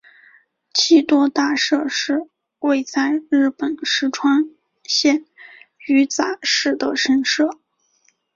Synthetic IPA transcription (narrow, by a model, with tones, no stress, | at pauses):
t͡ɕʰi˥˩t̪wɔ˥t̪a˥˧ʂɤ˥˧ʂɻ̩˥˧ | we˥˧ɪt͡sa˥˧ɪɻɻ̩˥˩pə˨˩nʂɻ̩˥ʈ͡ʂʰwa˥n | ɕjɛ˥˩ny˧˥t͡sa˨˩ʂɻ̩˥˩d̪ə˩ʂə˥nʂɤ˥˩